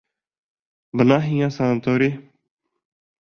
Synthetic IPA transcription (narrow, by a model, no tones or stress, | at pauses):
bənaːɦĩjãːsãːt̪oːɾeː